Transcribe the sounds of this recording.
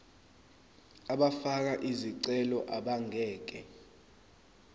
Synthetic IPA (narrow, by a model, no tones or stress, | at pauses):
aɓafak̬aʔiziǀɛlɔʔaɓaŋɛːk̬ɛ